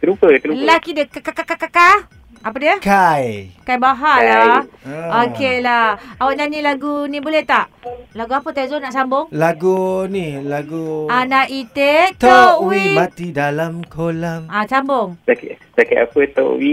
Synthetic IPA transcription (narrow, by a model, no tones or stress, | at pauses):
t̪əɾupət̪əɾulahkidəkakakakakaka | apədiəkajkajbaɦala | okelahawaʔɲanilaɡunĩbolɛht̪aʔlaɡuapət̪ajzonaʔsambʊŋlaɡunilaɡuanaʔit̪et̪ɔwiimat̪idalamkʰolaŋasambʊŋtak | t̪akaapət̪ɔ̰ʔwi